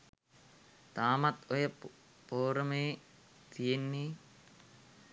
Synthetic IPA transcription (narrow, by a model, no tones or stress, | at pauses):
t̪aːmɐt̪ɔjɐ | poːɾɐmeː | t̪ijenːi